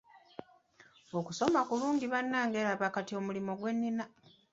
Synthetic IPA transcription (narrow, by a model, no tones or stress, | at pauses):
okuso̞makuluːŋɟiβanːaːŋɡelaβakatio̞mulimo̞ɡwe̞nːina